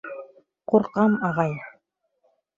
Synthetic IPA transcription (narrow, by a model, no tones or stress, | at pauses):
quɾqɑmɑʁɑj